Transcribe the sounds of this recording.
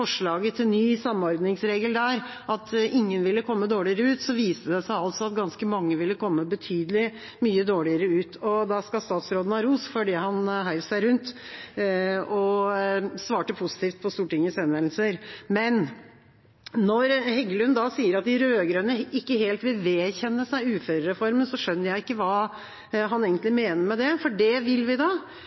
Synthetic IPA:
fɔʂɭɑːɡət̪ʰɪnyːsɑmːɔɾd̪nɪŋsɾeːɡəld̪æɾ | ʔɑt̪ɪŋːənʋɪlːəkʰɔmːəd̪oːɭɪəɾəʉːt̪sɔʋiːst̪əd̪ɛsæɪɑlt̪sɔɑt̪ɡɑnskəmɑŋːəʋɪlːəkʰɔmːəbət̪ʰyːd̪əlɪ | myːəd̪oːɭɪəɾəʉːt̪ʰɔd̪ɑskɑst̪ɑːt̪sɾoːd̪n̩ɑɾuːsfɔɖihɑnɦæɪʋsæɪɾʉnt̪ | ɔ | sʋɑːʈəpʰʊsɪ̥t̪iːft̪̚pʰɔst̪uːʈɪŋːəsɛnʋɛnl̩səɾmɛn | nɔɾhɛɡəlʉnd̪ɑsiːəɾɑt̪̚d̪ɪɾøøːɡɾœnəɪkːəɦeːlt̪ʋɪlʋeːçɛnːəsæɪʉːfœɾəɾɛfɔɾmənsɔʂœnːəɾjæɪɪkːəʋɑː | ɦɑneːɡənt̪lɪmeːnəɾmɛd̪ɛfɔɖɛʋɪlːʋɪd̪ɑː

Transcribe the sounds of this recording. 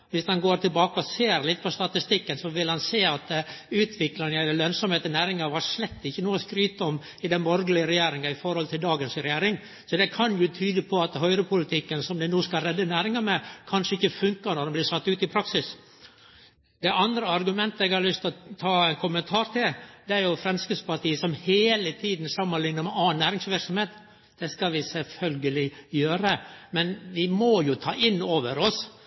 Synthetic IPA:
ʋɪsd̪ɑnɡoːɾt̪ʰɪlbɑːkəɔseːɾlɪt̪ːpʰɔst̪ɑt̪ɪst̪ɪkːənsɔʋɪlhɑnseːɑt̪ʉːt̪ʰʋɪklɑnəɛləlœnsɔmheːt̪ənæːɾɪŋɑʋɑʂlɛt̪ːɪçːənuːəskɾyːt̪ɔm | ɪd̪ɛnbɔɾɡəlɪəɾɛjeːɾɪŋɑɪfɔɾhɔlt̪ʰɪld̪ɑːɡənsɾɛjeːɾɪŋ | sɔd̪ɛkʰɑnjʊt̪ʰyːd̪əpʰɔɑt̪ɦœʏɾəpʰʊlɪt̪ʰɪkːənsɔmd̪ɛnuːskɑlɾɛd̪ːənæːɾɪŋɑmɛkʰɑnʂəɪçːəfʉŋkənɔɖ̪ɛmblɪʂɑt̪ːʉːt̪ɪpʰɾɑksɪs | d̪ɛʔɑnd̪ɾəɑɾɡʉmɛnt̪əɛɡhɑɾlʏst̪t̪ʰɑːɛnkʰʊmənt̪ʰɑːɾt̪ʰɪld̪ɛæɾjʊfɾɛnskəspɑʈiːəsɔmheːlət̪ʰiːd̪n̩sɑmːənlɪŋnəɾmɛɑːnːæːɾɪŋsʋɪɾksɔmheːt̪ | d̪̥ɛskɑʋɪsɛlfœlɡəlɪjøːɾəmɛnʋɪmɔjʊt̪ʰɑːʔɪnːoːʋəɾɔs

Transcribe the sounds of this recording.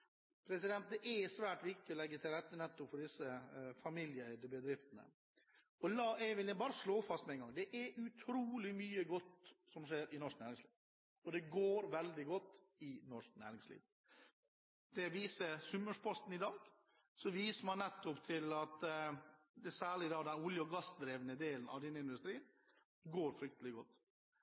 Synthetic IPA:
pʰɾɛsɪd̪ɛnt̪̚d̪ɛʔɛsʋæːʈʋɪk̚t̪ɪɔlɛɡːət̪ʰɪlɾɛt̪ːənɛt̪ːʊpfɔɖɪsːəfɑmɪljəd̪əbəd̪ɾɪft̪ənə̰ | ɔlɑːʔɛʋɪlɛbɑːɾəʂloːfɑst̪mɛɛɪŋɡɑŋd̪ɛʔɛʉt̪ʰɾuːlɪmyːəɡɔt̪ːsɔmʂeːɾʔɪnɔʂk̚næːɾɪŋslḭːʋ | ɔd̪ɛɡoːɾʋɛld̪ɪɡɔt̪ː | ɪnɔʂk̚næ̰ːɾɪŋslḭːʋ | d̪̥ɛʋiːsəsʉmːəʂpʰɔst̪n̩ɪd̪ɑːɡ | sɔʋiːsəmɑnnɛt̪ːʊpt̪ʰɪlɑt̪ | d̪ɛsæːɭɪd̪ɑːd̪ɛnʊljʊɡɑsd̪ɾeːʋnəd̪eːlənɑ̰ʋd̪ɛnːəɪnd̪ʉst̪ɾiːn | ɡoːɾfɾʏk̚t̪əlɪɡɔt̪ː

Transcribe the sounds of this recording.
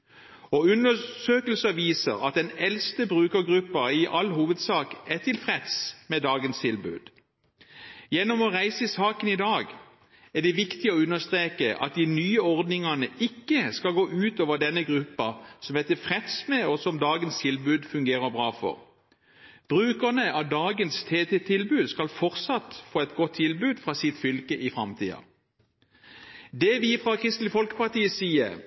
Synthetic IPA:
ɔʉnːəsøːkəlsəʋiːsə̰ʁɑ̰t̪̚d̪ɛnɛlst̪əbʁʉːkəɡʁʉpːɑɪʔɑlːɦuːʋəd̪sɑːkɛt̪ʰɪlfʁɛt̪smɛd̪ɑːɡənst̪ʰɪlbʉ̰ːd̪̥ | jɛnːɔmɔʁæɪsəɪsɑːkənɪd̪ɑːɡ | æd̪ɛʋɪkt̪ɪɔʉnːəst̪ʁeːkəʔɑ̰t̪̚d̪ɪnyːəɔʁd̪nɪŋɑnəʔɪkːəskɑlɡoːʔʉːt̪oːʋəd̪ɛnːəɡʁʉpːɑsɔmɛt̪əfʁɛt̪smɛɔsɔmd̪ɑːɡənst̪ʰɪlbʉːd̪fʉŋɡeːʁəbʁɑːfɔ̰ʁ | b̥ʁʉːkəʁnəɑd̪ɑːɡənst̪ʰeːt̪ɛt̪ʰɪlbʉːd̪skɑlfɔʁt̪sɑt̪ːfoːɛt̪ɡɔt̪ʰːɪlbʉːd̪fʁɑːsɪt̪fʏlkəʔɪfʁɑmt̪ʰḭːɑ̰ | d̪ɛʋɪfʁɑkʰʁɪst̪lɪfɔlkə̥pɑʁt̪iːəsiːəʁ

